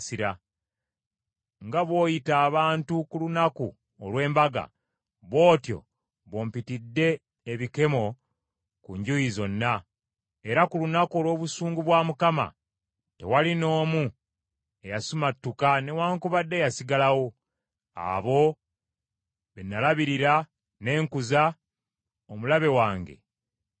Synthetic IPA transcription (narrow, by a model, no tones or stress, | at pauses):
siɾa | ŋɡaβwo̞ːjitaːβaːntukulunaku | olwe̞ːmbaɡa̰ | βo̞ːtjo̞̰ | βoːmpitidːe̞ː | βike̞mo̞ | kuɲɟujizo̞nːa | e̞ɾakulunako̞lwo̞ːβusuːŋɡuβwaːmukama̰ | te̞̰walino̞ːmu | ejasumatːukane̞waːŋkuβadːe̞jasiɡalawo̞ | a̰βo̞ | βenːalaβiɾiɾa | ne̞ːŋkuza | omulaβe̞waːŋɡe̞̰